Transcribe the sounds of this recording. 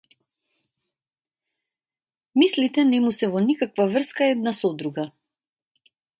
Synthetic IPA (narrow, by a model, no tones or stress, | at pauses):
mislit̪ɛnɛmusɛvɔnikakvavr̩skaɛd̪̚nasɔd̪ɾuɡa